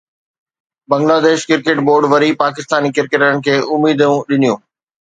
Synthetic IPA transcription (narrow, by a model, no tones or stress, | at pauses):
bɐ̃ŋɡlaːd̪eːʃkɪɾkeʈboːɾɖʋɐɾipaːkɪst̪aːnikɪɾkeʈənɪ̆kʰeːʔʊmiːd̪jũɗɪnijũː